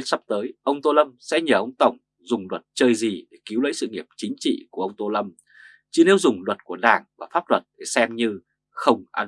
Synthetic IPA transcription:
n̚sa˦˥p̚t̪əː˨˦jʔə˧wŋ͡mt̪o˧lə˧msɛ̰˧˥ɲəː˨˩ʔə˧wŋ͡mt̪ə˨˩wŋ͡m | zʊ˨˩ŋ͡mlwə˨˩t̚t͡ɕəː˧jzi˨˩ɗe˧˩ki˨˦wlə̰˧˥jsɨ̰˧˨ŋi˨˩əp̚t͡ɕï˨˦ŋ̟t͡ɕḭ˧˨ku˧˩əʔə˧wŋ͡mt̪o˧lə˧m | t͡ɕi˧˩ne˨˧˦wzʊ˨˩ŋ͡mlwə˨˩t̚ku˧˩əɗa̰ː˧˩ŋvaː˨˩faː˦˥p̚lwə˨˩t̚ɗe˧˩sɛ˧mɲɨ˧ | xə˧wŋ͡mʔa˧n

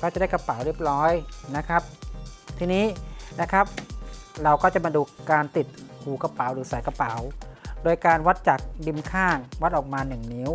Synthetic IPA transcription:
kɔː˥˩t͡ɕa˨˩da˥˩ka˧pa˩˦wɾi˦˥˩ə˩p̚ɾɔː˦˥jna˦˥kʰa˦˥p̚t̪ʰiː˧niː˦˥na˦˥kʰa˦˥p̚ɾa˧wkɔː˥˩t͡ɕa˨˩maː˧duː˧kaː˧nt̪i˨˩t̪̚hʰuː˨˩ka˧paː˩˦wɾɯː˩˦sa˩˦jka˧pa˩˦wdoː˧jkaː˧nwa˦˥t̪̚t͡ɕa˨˩k̚di˧mkʰaː˥˩ŋwa˦˥t̪̚ʔɔː˨˩k̚maː˧nɯ˨˩ŋni˦˥w

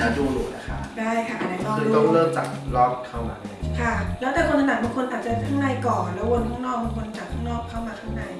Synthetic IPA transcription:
aː˧˩duː˧lṵː˨˩t̚la˦˩kʰa˦˥˩daː˥˩jkʰa˥˩ʔnaː˧˥t̪ɔː˥˩˨t̪ɔ˥˩ŋlɤː˥˩mt͡ɕa˨˩t̚lɔː˦˥˩p̚kʰa˥˩wma̰ː˧la˧˩kʰa˥˩lɛ˦˥wt̪ɛː˨˩kʰo˧nt̪ʰna˨˩bu˧˩ŋkʰo˧nʔaː˨˩t͡ɕa˨t̪ʰa˥˩ŋna˧jkɔː˨˩nlɛː˦˥wwo˧nkʰɔː˥˩ŋnɔː˥˩k̚bu˧ŋkʰo˧n˧t͡ɕa˨˩t̪̚ʰɔː˥˩ŋnɔː˥˩kʰa˥˩wmaː˧t̪ʰa˥˩ŋna˧j

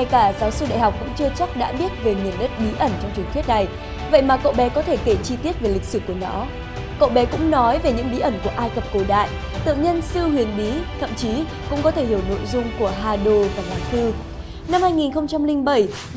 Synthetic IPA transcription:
a˨˩jkaː˧˩zaː˨˦wsɨ˧ɗa̰˧˨jɦa˨˩wk͡p̚kʊ̰˧˥ŋ͡mt͡ɕɨ˧ət͡ɕɔ˦˥wk͡p̚ɗa̰ː˧˥ɓi˦˥ət̚ve˨˩mi˨˩ənɗə˦˥t̚ɓi˨˦ʔə˧˩nt͡ɕɔ˧wŋ͡mt͡ɕɨ˨˩ŋt̪ʰi˦˥ət̚na˨˩j | və̰˧˨jmaː˨˩ko̰˧˨ɓɛ˨˦kɔ˨˦t̪ʰe˧˩ke˧˩t͡ɕi˧t̪i˦˥ət̚ve˨˩li˨˩k̟̚sɨ˧˩ku˧˩ənɔ˨˦ | ko̰˧˨ɓɛ˨˦kʊ̰˧˥ŋ͡mnɔ˨˦jve˨˩ɲɨ̰˧˥ŋɓi˨˦ʔə˧˩nku˧˩əʔaː˧jkə˨˩p̚ko˨˩ɗa̰ː˧˨j | t̪ɨ̰˧˨ŋɲə˧nsɨ˧hwi˨˩ənɓi˨˦t̪ʰə̰˧˨mt͡ɕi˨˦ | kʊ̰˧˥ŋ͡mkɔ˨˦t̪ʰe˧˩hi˧˩əwno̰˧˨jzʊ˧ŋ͡mku˧˩əɦaː˧ɗo˧vaː˨˩laː˨˩ŋt̪ɨ˧ | na˧mhaː˧jŋi˨˩nxə˧wŋ͡mt͡ɕa˧mlï˧ŋɓə˧˩j

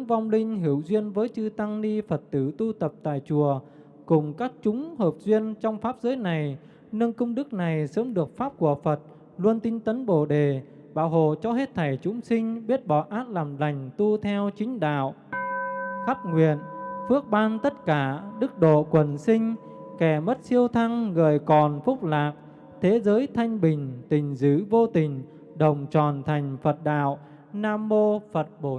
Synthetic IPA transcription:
ŋva˧wŋ͡mlï˧ŋ̟ɦi˧˩əwzwi˧ənvəː˨˦jt͡ɕɨ˧t̪a˧ŋni˧fə˨˩t̚t̪ɨ˧˩t̪u˧t̪ə˨˩p̚t̪a̰ː˧˨jt͡ɕu˨˩ə | kʊ˨˩ŋ͡mkaː˦˥k̚t͡ɕʊ˨˦ŋ͡mhəː˨˩p̚zwi˧ənt͡ɕɔ˧wŋ͡mfaː˦˥p̚zəː˨˦jna˨˩j | nɨ˧ŋkə˧wŋ͡mɗɨ˦˥k̚na˨˩jsəː˨˦mɗɨ˨˩ək̚faː˦˥p̚ku˧˩əfə˨˩t̚ | lu˧ənt̪i˧nt̪ə˨˦nɓo˧˩ɗe˨˩ | ɓaː˧˩wɦho̰˧˨t͡ɕɔ˧he˦˥t̚t̪ʰa˧˩jt͡ɕʊ˨˦ŋ͡msï˧ŋ̟ɓi˦˥ət̚ɓɔ˧˨˩ʔaː˦˥t̚laː˨˩mla˨˩jŋ̟t̪u˧t̪ʰɛ˧wt͡ɕï˨˦ŋ̟ɗa̰ː˧˨w | xa˦˥p̚ŋwḭ˧˨ənfɨ˦˥ək̚ɓaː˧nt̪ə˦˥t̚kaː˧˩ɗɨ˦˥k̚ɗo̰˧˨kwə˨˩nsï˧ŋ̟ | kɛ˧˩mə˦˥t̚si˧əwt̪ʰa˧ŋɣəː˨˩jkɔ˨˩nfʊ˦˥k͡p̚laː˨˩k̚ | t̪ʰe˨˦zəː˨˦jt̪ʰa˧jŋ̟ɓï˨˩ŋ̟t̪ï˨˩ŋ̟zɨ̰˧˩vo˧t̪ï˨˩ŋ̟ | ɗə˨˩wŋ͡mt͡ɕɔ˨˩nt̪ʰa˨˩jŋ̟fə˨˩t̚ɗa̰ː˧˨w | naː˧mːo˧fə˨˩t̚ɓo˧˩

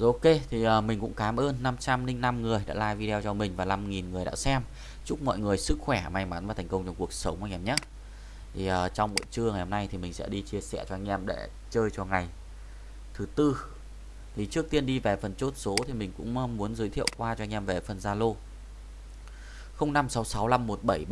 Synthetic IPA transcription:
zo˨˧˦ke˧t̪ʰi˨˩ʔəː˨˩mï˨˩ŋ̟kʊ̰˧˥ŋ͡mkaː˨˦mʔəː˧nːa˧mt͡ɕa˧mlï˧ŋ̟na˧mŋɨ˨˩əjɗa̰ː˧˥laː˧˩jvi˧ɗɛ˧wt͡ɕɔ˧mï˨˩ŋ̟vaː˨˩la˧mŋi˨˩nŋɨ˨˩əjɗa̰ː˧˥sɛ˧m | t͡ɕʊ˦˥k͡p̚mɔ̰˧˨jŋɨ˨˩əjsɨ˦˥k̚xwɛ˧˩ma˧˩jma˨˦nvaː˨˩t̪ʰŋ̟kə˧wŋ͡mt͡ɕɔ˧ŋ͡mku˨˩ək̚sə˨˦wŋ͡mʔa˧j̟ʔɛː˧˩ɲa˦˥ | t̪ʰi˨˩ʔəː˨˩t͡ɕɔ˧wŋ͡mɓo̰˧˨t͡ɕɨ˧əŋa˨˩ho˨˧mna˧jt̪ʰi˨˩mï˨˩ŋ̟sɛ̰˧˥ɗi˧t͡ɕi˧əsɛ̰˧˩t͡ɕɔ˧ʔa˧jŋ̟ʔɛ˧mɗḛ˧˩ | t͡ɕəː˧jt͡ɕɔ˧˩ŋa˨˩j | t̪ʰɨ˨˦t̪ɨ˧ | t̪ʰi˨˩t͡ɕɨ˦˥ək̚t̪i˧ənɗi˧ve˨˩fə˨˩nt͡ɕo˦˥t̚so˨˦t̪ʰi˨˩mï˨˩ŋ̟kʊ̰˧˥ŋ͡mmu˨˦ənzɨː˨˦jt̪ʰḭ˧˨ə˨wkwaː˧t͡ɕɔ˧a˧jŋ̟ʔɛ˧mve˨˩fə˨˩nzaː˧lo˧ | xə˧wŋ͡mna˧msa˨˦wsa˨˦wla˧mːo˨˩t̚ɓə˧˩j

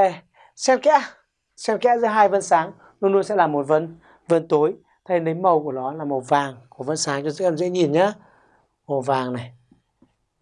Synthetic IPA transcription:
e˨˩ | sɛ˧nkɛ̰˧˥ | sɛ˧nkɛ̰˧˥zɨ˨˧˦əɦaː˧jvə̰˧˥nsaː˨˦ŋ | lu˧nlu˧nsɛ̰˧˥laː˨˩mo˨˩t̚və̰˧˥n | və˧˥˦nt̪o˨˦j | t̪ʰa˧nɗə˨˦jmə˨˩wku˧˩ənɔ˨˦laː˨˩mə˨˩wvaː˨˩ŋku˧˩əvə̰˧˥nsaː˨˦ŋt͡ɕɔ˧zɨ̰˧˥ʔɛ˧mzɛ̰˧˥ɲi˨˩nɲaː˨˦ | mo˨˩vaː˨˩ŋna˨˩j

